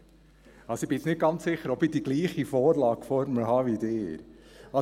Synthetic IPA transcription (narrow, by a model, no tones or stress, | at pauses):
ɑlsoib̥ɪsnɪt̚ɡ̥ɑnt͡ssɪχəɾɔbidiɡliːχifoːɾlɑːɡ̥fɔɾməl̩ɦɑːʋid̪ɪːɾɑ